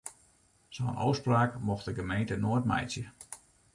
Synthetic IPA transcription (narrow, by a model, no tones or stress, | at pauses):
sownʔo̰wspraːkmɔxtdəɡəmejntənoətmɛ̰jsjə